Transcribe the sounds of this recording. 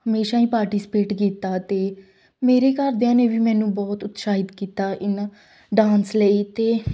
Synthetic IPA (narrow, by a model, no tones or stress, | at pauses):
həmeːʃaːĩːpaːɾʈiːspeːʈkiːt̪aːt̪eː | meːɾeːkəɾd̪eãːneːʋiːmɛ̃ːnũːbɔːt̪ʊt̪ʃaːɦɪd̪kiːt̪aːʔɪnãː | ɖãːnsləiːt̪eː